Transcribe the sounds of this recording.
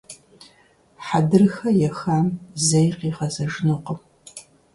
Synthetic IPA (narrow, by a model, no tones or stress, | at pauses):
ħadɨrxɐjɛxaːmzɐjqiːʁɐzɐʒɪnɨqəm